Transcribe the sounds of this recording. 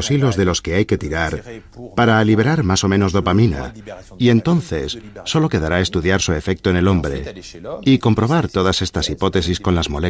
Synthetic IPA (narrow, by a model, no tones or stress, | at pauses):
osilo̞zðe̞lo̞ske̞ajke̞t̪iɾaɾpaɾaːliβe̞ɾaɾmaso̞mẽ̞no̞zðo̞pamĩna̰ | ie̞nt̪o̞n̟θe̞sːo̞lo̞ke̞ð̞aɾae̞st̪uðjaɾsue̞fe̞k̚t̪oe̞ne̞lo̞mbɾe̞̰ | iko̞mpɾo̞β̞aɾt̪o̞ð̞ase̞st̪asipo̞t̪e̞sisko̞nlazmo̞le